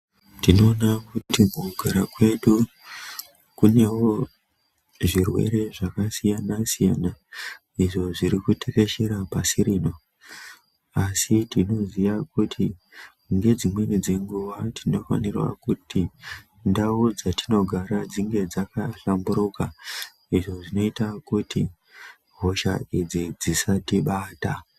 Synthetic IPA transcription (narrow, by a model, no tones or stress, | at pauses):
tino̞ːnakutimukuɡʱaɾakwe̞ɗu | kune̞wo̞ | ʐirwe̞̰ɾe̞ʐakasijanasijana | iʐo̞ʐiɾikutʰeke̞ʃeɾapasiɾiːno̞ | asitino̞ziʋakutʰi | ŋɡe̞d͡zimwe̞nid͡ze̞ŋɡuʋatʰino̞fa̰nirwa̰kuti | ndaud͡zatino̞ɡʱaɾad͡ziŋɡe̞d͡zakaɬambuɾuka | iʐo̞ʐino̞itakuti | ɦo̞ʃa̰id͡zid͡zisatiɓaːta